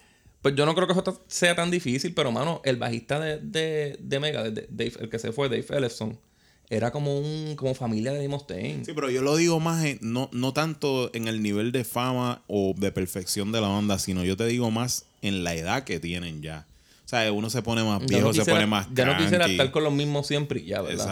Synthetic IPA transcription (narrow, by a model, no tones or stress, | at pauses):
pwesɟ͡ʝo̞nokɾe̞okesot̪ase̞at̪and̪ifisilpe̞ɾo̞mã̰no̞ʔe̞lba̰hist̪aðed̪ed̪e̞meɣaðed̪ḛd̪ejfḛlke̞se̞fweðejfelefsoŋ | e̞ɾako̞mo̞uŋko̞mo̞familjaðeðimost̪ḛŋsipeɾoʝo̞lo̞ðiɣo̞masenono̞t̪ant̪o̞eŋe̞lniβe̞ld̪e̞famaoðe̞pe̞ɾfe̞ksjo̞nd̪e̞laβand̪asino̞ʝo̞t̪e̞ðiɣo̞mas | e̞nlae̞ðake̞t̪je̞nẽ̞ɲɟ͡ʝa | oseaeuno̞s̬e̞po̞ne̞mazbjehnoskiesjeoɾanemasd͡ʒanoakisjeɾaaɾko̞nlomizmosje̞mpɾḭʝa̰βḛɾða